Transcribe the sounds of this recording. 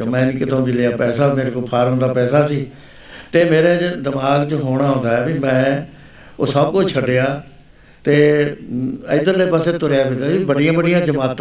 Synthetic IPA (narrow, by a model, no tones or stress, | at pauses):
mɛ̃ːnikɪt̪õːbilejaːpɛːsaːmeːɾekopʰaːɾɦõːnd̪aːpɛːsaːsiː | t̪eːmeːɾeːd͡ʒd̪ɪmaːɡt͡ʃəɦoːɽ̃aːɦõːnd̪aːɛːbiːmɛ̃ː | osəb̚kʊt͡ʃʰt͡ʃʰəɖːeːaː | t̪eː | əɪd̪əlepəseːt̪ʊɾejaːbɪd̪aːbibəɖijãːbəɖijãːd͡ʒəmaːt̪